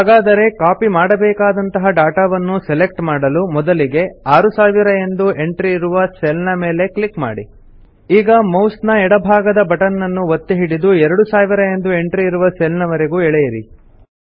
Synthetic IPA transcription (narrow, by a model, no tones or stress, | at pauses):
aːɡaːd̪ɐɾe̞kaːpimaːɽɐbɛːkaːd̪ɐnt̪ɐɦɐɖaːʈaʋɐnːusele̞k̚ʈmaːɽɐlumɔd̪ɐliɡe̞aːɾusaːʋiɾɐe̞nd̪uʔe̞ɳʈɾiːɾuʋɐselnɐme̞ːle̞klikma̰ːɽḭ | iːɡɐmowst̪nɐɛɽɐbʱaːɡɐd̪ɐbɐʈɐnːɐnːuʋot̪ːeɦiɽid̪uɛɾɐɽusaːʋiɾɐe̞nd̪ue̞ɳʈɾiːɾuʋɐselnɐʋɐɾe̞ɡuɛɭɛjɐɾḭ